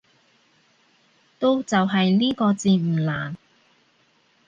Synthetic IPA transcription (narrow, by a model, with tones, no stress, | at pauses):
t̪o˥wt͡sɐ˨wɦɐ˨jliː˥kɔː˧t͡siː˧m̩˨˩la̰ː˨˩n